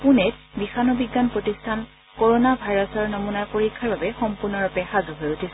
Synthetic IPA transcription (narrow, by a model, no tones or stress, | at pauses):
punɛtbixanɔbiɡːanpɹotistʰan | kɔɹonabʱajɹɔsɔɹnɔmunajpoɹikʰːaɹbabɛxɔmpuɹnɔɹɔpɛxazɔɦojutʰisɛ